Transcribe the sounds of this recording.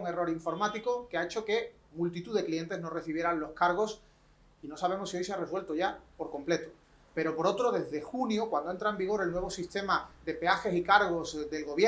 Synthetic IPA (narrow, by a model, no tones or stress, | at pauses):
ŋe̞ro̞ɾiɱfo̞ɾmat̪iko̞keae̞t͡ʃo̞ke̞ | mult̪̬it̪uðe̞klie̞nt̪ezno̞re̞θiβje̞ɾanlo̞skaɾɣ̞o̞s | ino̞saβ̞e̞mo̞sːiojseare̞swe̞lt̪oʝapo̞ɾkõ̞mple̞t̪o | pe̞ɾo̞po̞ɾo̞t̪ɾo̞ðe̞zðe̞xunjokwand̪oent̪ɾaembiɣ̞o̞ɾe̞lnwe̞β̞o̞sist̪e̞maðe̞pe̞axe̞sikaɾɣ̞o̞zðe̞lɣo̞βje